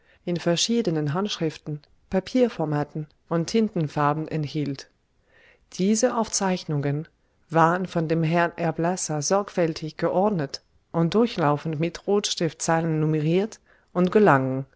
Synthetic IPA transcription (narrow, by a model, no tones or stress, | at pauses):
ʔɪnfɛɐʃiːdənənɦantʃʁ̥ɪftn̩ | papʰiːɐfɔɐmaːtn̩ | ʔʊntʰːɪntn̩faɐbm̩ʔɛnthiːlt | d̥iːzəʔaʊft͡saɪçnʊŋən | vaːʁənfɔndeːmɦɛɐnʔɛɐblɛsɐzɔɐkfɛltʰɪçɡ̥əʔɔɐdnət | ʔʊnt̚d̥ʊɐçlaʊfn̩tmɪtʁoːtʃtɪftt͡saɪlənːuməʁiːɐt | ʔʊntɡ̥əlaŋən